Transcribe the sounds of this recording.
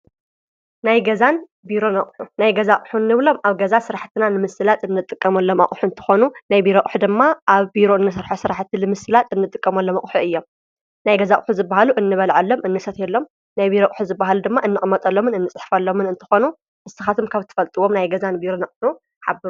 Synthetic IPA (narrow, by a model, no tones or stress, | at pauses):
najɡɐzan | biɾo̞nɐχʼħunajɡɐzaχʼħunːɨβlo̞mʔaβɡɐzasɨɾaħt̪ʰɨnanɨmɨsɨlat̪ʼɨnːɨt̪ʼɨkʼːɐmɐlːo̞ma̰ʔʼħuɨnt̪ʰɨ̥xo̞nunajbiɾoʔʼħud̪ɨmːaʔaβbiɾo̞ɨnːɨs̬ɐɾħosɨɾaħt̪ʰilɨmɨsɨlat̪ʼɨnːɨt̪ʼɨkʼːɐmɐlːo̞mɐχʼħuʔɨjːo̞m | najɡɐzaχʼħuzɨbːahaluʔɨnːɨβɐlʕalːo̞mʔɨnːɨsɐt̪elːo̞m | najbiɾokʼħuzɨbːaɦalud̪ɨmːaʔɨnːɨχʼmɐt̪ʼɐlːo̞mɨnɨnːɨt͡sʼħfɐlːo̞mɨnɨnt̪ʰɨ̥xo̞nu | ʔɨsɨxat̪ʰumkʰaβt̪ʰːɨ̥fɐlt̪ʼɨwo̞mnajɡɐzanbiɾo̞nɐχʼħu | ħabɨɾu